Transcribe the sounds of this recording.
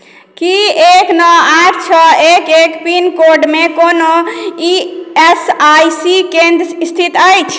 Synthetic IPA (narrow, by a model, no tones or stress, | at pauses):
kieknɔaɾt͡ʃʰɔekekpinkoɾɖmekonoiesajsikẽnd̪ɾəst̪ʰit̪əjt͡ʃʰ